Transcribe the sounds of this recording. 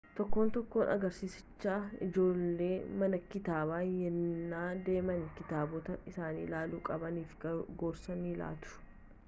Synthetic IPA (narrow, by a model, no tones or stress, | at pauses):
t̪ɔkːo̞ːnt̪ɔkːo̞ːnɐ̰ɡɐɾsiːsɪ̥t͡ʃːaːɪ̰d͡ʒo̞ːlːeːmɐnɐkɪt̪aːbaːjɛnːaːd̪eːmɐnkɪt̪aːbɔt̪ɐɪsaːnḭːlaːluːkʼɐbɐniːfɡoːɾsɐniːla̰ːt̪ʊ̥